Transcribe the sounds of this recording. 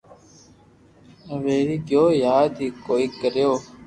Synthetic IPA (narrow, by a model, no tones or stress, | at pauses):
ʋeːɾiːɡjoːjaːd̪iːkoːiːkəɾjoː